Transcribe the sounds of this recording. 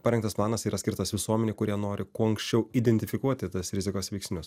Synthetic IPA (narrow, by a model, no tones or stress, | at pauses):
pɐɾʲɛŋkt̪ɐsplˠɑːnɐsiːɾɐsʲkʲɪɾt̪ɐsʋʲɪsuɔmʲɛnʲeːkʊɾʲiɛnoːɾʲɪkuɔɐŋksʲt͡ʃʲɛʊiːd̪ʲɛnʲt̪ʲɪfʲɪkuɔt̪ʲɪt̪ɐsɾʲɪzʲɪkoːsʋʲɛɪksʲnʲʊs